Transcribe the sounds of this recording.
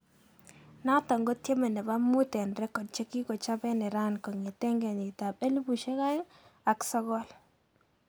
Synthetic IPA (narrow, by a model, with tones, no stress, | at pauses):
na˦tɔ˨ŋɡo˦tje˦mɛ˨nɛ˨ba˦mʊ˦tɛ˨nɾɛ˦kɔ˨d̚t͡ʃe˦ki˦kɔ˨t͡ʃa˦bɛ˦nɛ˨ɾa˦nkɔ˨ŋe˨tɛ˦ŋɡɛ˨nɪ˨ta˨pe˦li˦bu˨ʃe˦ka˦ɪ˦ŋa˨ksɔ˦ɡɔ˦l